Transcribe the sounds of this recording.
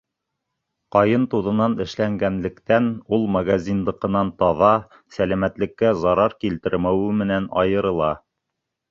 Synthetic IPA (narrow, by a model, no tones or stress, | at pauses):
qɑjɤnt̪uðɤ̆nɑnɘ̆ʃlæŋɡænlɘ̆kt̪ænulˠmaɡazʲind̪ɤ̆qɤ̆nɑnt̪ɑðɑ | sælæmæt̪lɘ̆kːæzɑɾɑɾkilt̪ɘɾmæwɘmɘ̆nænɑ̰jɤ̆ɾɤ̆lˠɑ